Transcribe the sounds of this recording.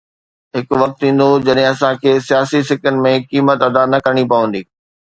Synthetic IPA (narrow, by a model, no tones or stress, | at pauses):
ɦɪkʋɐk̚t̪ɦĩːn̆d̪od͡ʑɐɗɦɪ̃ɐsãkʰeːsijaːsisɪkənɪ̆mẽkiːmət̪ɐd̪anɐkɐɾəɽ̃ipɐʋə̃nd̪iː